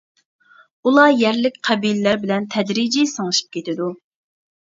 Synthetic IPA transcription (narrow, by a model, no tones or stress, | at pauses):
ulˠɑjɛɾlɪkʲqʰæbilɪlæɾbɪlɛnt̪ʰɛd̪ɾid͡ʒisɨŋɨʃɨ̥p̚kʲʰet̪ɪd̪u